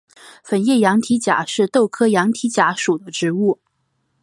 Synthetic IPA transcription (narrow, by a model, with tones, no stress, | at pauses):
fə˨˩njɛ˥˩jɑ˧˥ŋt̪ʰi˧˥t͡ɕja̰˨˩ʂɻ̩˥˧t̪o˥˩ʊkʰɤ˥jɑ˧˥ŋt̪ʰi˧˥t͡ɕja˧˥ʂu˨˩d̪ə˦ʈ͡ʂɻ̩˧˥u˥˩